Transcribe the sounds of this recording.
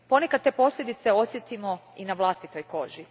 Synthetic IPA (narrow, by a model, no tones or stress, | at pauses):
po̞nekad̪t̪epo̞slʎʲe̞d̪it̪se̞o̞sje̞t̪imo̞inaʋlˠast̪it̪o̞jko̞ʒi